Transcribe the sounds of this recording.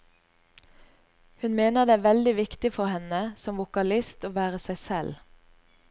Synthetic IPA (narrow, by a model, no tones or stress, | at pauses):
hʉnmeːnəʁd̪eːæːʋɛld̪ɪʋɪkt̪ɪfɔʁhɛnəsɔmʋʊkɑlɪst̪oːʋæːʁəsæɪsɛl